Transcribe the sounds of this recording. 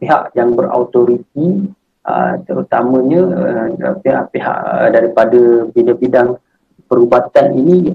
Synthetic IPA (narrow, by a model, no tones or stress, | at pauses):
peɦa̰ʔjaŋbəɾa̰ut̪oɾit̪̚i | ə̰t̪əɾut̪amə̃ɲə | peɦa̰ʔpeɦa̰ʔədaɾipadəbidabidaŋ | pəɾubat̪anini